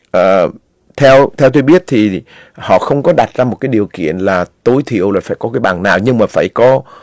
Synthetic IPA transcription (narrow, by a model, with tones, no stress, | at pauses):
ʔəː˨˩ | t̪ʰɛ˧wt̪ʰɛ˧wt̪̬o˧jɓi˦˥ət̚t̪ʰi˨˩ | hɔ̰˧˨xə˧wŋ͡mkɔ˨˦ɗa˨˩t̚zaː˧mo˨˩kaː˨˦jɗi˨˩əwkḭ˧˨ənlaː˨˩t̪o˨˦jt̪ʰḭ˧˨əwlaː˨˩faː˧˩jkɔ˨˦kaː˨˦jɓaː˨˩ŋnaː˨˩wɲɨ˧ŋmaː˨˩faː˧˩jkɔ˨˦